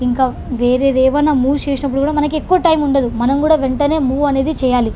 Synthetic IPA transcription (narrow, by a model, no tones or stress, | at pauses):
iŋkaː | ʋeːɾeːɾeːʋɐnːaːmuːt͡ʃeːsinɐp̬ːuɽukuːɽaːmɐnɐk̬iekːuʋɐʈɐjmuɳɖɐd̪imɐnɐmkuːɽaːʋeɳʈɐne̞ːmuːɐne̞ːd̪it͡ʃɛːjaːli